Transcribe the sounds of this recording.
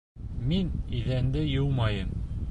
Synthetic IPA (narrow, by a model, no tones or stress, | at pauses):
miniðænd̪ɘjɤwmɑjɤm